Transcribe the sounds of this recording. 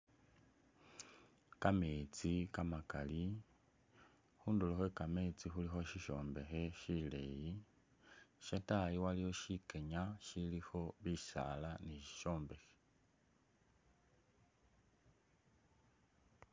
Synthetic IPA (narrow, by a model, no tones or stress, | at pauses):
kamet͡sikamakali | xuːnduloxwekamet͡sixulixo̞ʃiʃo̞ːmbe̞xe̞ʃileji | ʃatajiwaliho̞ʃikeɲaʃilixo̞βiʃa̰laniʃi̥ʃo̞ːmbe̞xe̥